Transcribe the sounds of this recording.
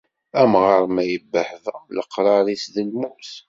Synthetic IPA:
æmʁəɾˤmæjəbːəħðələ̰qːɾˤɑɾˤisðəlmuθ

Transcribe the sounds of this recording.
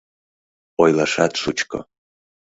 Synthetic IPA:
ojlˠaʂat̪ʂut͡ʃkʰo̰

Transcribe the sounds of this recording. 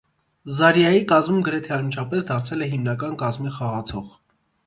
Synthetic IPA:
zɑɾjɑjikɑzmumɡəɾɛt̪ʰɛɑɾmint͡ʃʰɑpɛsd̪ɑɾt͡sʰɛlɛɦimnɑkɑnkɑzmiχɑʁɑt͡sʰɔʁ

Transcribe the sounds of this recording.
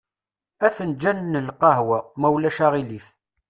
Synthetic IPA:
æθənd͡ʒænnəlqɑɦwæmæwlæʃaʁiliθ

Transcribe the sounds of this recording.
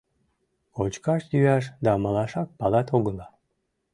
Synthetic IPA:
ot͡ɕkɑʃjyæʃ̬d̪ɑmɑlɑʃɑk̚pɑlɑt̪oɣəlɑ

